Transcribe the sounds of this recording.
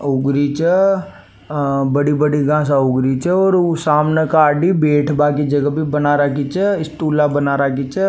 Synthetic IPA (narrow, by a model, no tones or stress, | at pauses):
ʊɡɾit͡ʃə | bəɽibəɽiɡãːs̬aʊɡɾit͡ʃəɔːɾsaːmnekaːɖibeːʈʰbaːkid͡ʒɐɡəbʱibɐnaːɾakit͡ʃəɪsʈuːlabənaːɾak̬it͡ʃə